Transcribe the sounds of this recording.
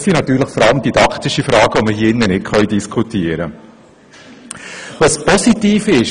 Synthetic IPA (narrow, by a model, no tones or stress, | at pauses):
sinɑt̪yːɾləχfɔɾɑləmd̥̪id̥ɑkt̪ɪʃifɾɑːɡ̥əʋɔməhiːɪnːənɪtχœʏdiskʰutiəɾə | vɑspɔsitiːfɪʃ